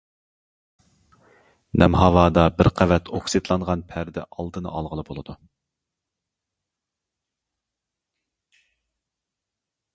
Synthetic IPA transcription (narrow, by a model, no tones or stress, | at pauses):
nʔɛ̰mɦɑwɑːd̪ɑbɪɾqʰævɛt̪ʰoksɨt̪lˠɑɴʁɑnpʰæɾd̪ɪ̰ʔɑlˠd̪ɨnɨ̰ʔɑ̰lˠʁəlˠɨbolˠɨd̪u